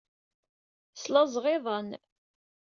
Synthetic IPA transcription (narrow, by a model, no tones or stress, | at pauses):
slɑzʁɪðˤən